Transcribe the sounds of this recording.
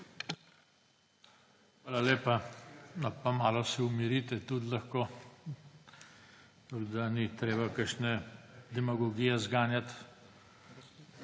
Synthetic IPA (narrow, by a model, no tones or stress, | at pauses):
xʋaːlaleːpanɔpamaːlɔsɛumiɾit̪ɛt̪ut̪lɐxko | t̪aɡd̪anit̪ɾeːbakəʃnɛd̪ɛmaɡoɡijɛzɡaːnjat̪